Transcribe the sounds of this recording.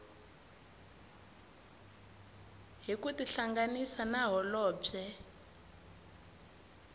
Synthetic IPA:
ɦikutiɬaŋɡanisanaɦɔlɔːɛ

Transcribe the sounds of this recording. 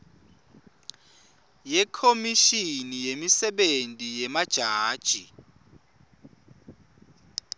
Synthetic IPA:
jɛkʰomiʃinijemisɛɓentʼijɛmad̥ʒ̥ʱaːd̥ʒ̥ʱi

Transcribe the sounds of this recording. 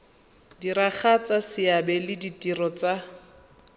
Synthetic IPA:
diɾaχat͡sasɪabɛlɪditirɔt͡sa

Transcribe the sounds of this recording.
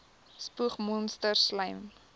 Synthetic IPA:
spuəχmɔnstərsləjm

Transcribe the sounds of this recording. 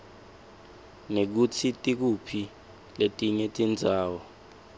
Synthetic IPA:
nek̬utʰitʼik̬upʰi | letʼiɲetʼind͡zʱaːwɔ

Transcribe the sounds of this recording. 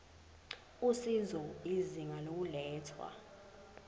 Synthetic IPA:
usizɔiziŋalok̬ulɛːtʰwa̰

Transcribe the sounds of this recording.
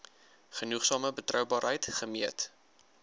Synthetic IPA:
χənuχsɑːməbətrœwbɑːɾɦəjtχəmiət

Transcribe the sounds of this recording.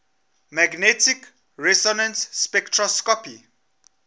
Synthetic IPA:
maɡnɛtik | ɹɛsɔnə̃nsːpɛktʰɹɔskɔpi

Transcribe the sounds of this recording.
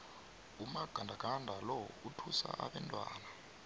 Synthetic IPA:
umaɡ̥ʱandʱaɡ̥ʱandʱalɔutʰusa̰ʔaɓɛntʼwa̰ːna

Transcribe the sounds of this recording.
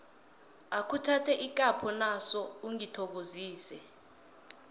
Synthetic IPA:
akʰutʰatʰɛʔik̬ʼapʰɔnasɔuŋitʰɔk̬oziːsɛ

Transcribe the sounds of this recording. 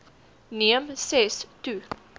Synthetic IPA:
niəmsɛstu

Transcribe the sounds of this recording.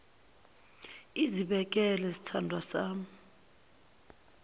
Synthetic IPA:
iziɓɛk̬ɛlɛsi̥tʰandʱwasaːm̩

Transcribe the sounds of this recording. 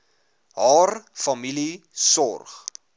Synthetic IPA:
ɦɑːrfɐmilisɔ̰rχ

